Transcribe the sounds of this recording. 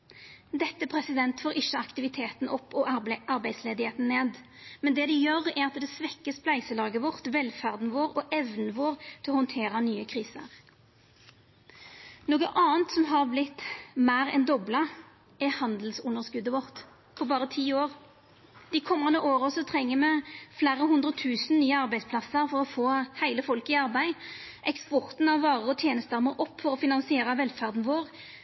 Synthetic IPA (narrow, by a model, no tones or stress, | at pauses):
d̪ɛt̪ːəpʰʁɛsɪd̪ɛnt̪foːʁɪʃːəɑkt̪ɪʋɪt̪ʰeːt̪n̩ʔɔpːɔɑʁbæɪd̪sleːd̪ɪheːt̪n̩neːd̪ | mɛnd̪ɛːd̪ɪjøːɾɛʁɑt̪d̪ɛsʋɛkːəsplæɪsəlɑːɡəʋɔʁt̪ʋɛlfæʁd̪n̩ʋoːɾɔʔɛʋnəʋoːʁt̪ʰɪɔhɔnt̪ʰeːɾɑnyːəkʰʁiːsə̰ʁ | noːɡəʔɑːnt̪sɔmɦɑʁblɪt̪ːmæːʁɛ̰nd̪ɔblə | ʔɛhɑnd̪l̩sʊnːəʁskʉd̪əʋɔʁt̪ | pʰɔbɑːʁət̪ʰiːoːʁ | d̪̥ɪkʰɔmːɑnd̪əʔoːʁəsɔt̪ʰʁɛŋːəmɛflæːɾəhʉnd̪ʁət̪ʰʉːsn̩nyːəɑʁbæɪspʰlɑsːəʁfɔʁɔfoːhæɪləfɔlkɪɑʁbæɪʔɛkspɔʁt̪n̩ɑʋːɑːʁəʁɔt̪ʰjeːnəst̪əʁmoːʔɔpːfɔʁɔfɪnɑnsɪeːɾəʋɛlfæʁd̪n̩ʋoːʁ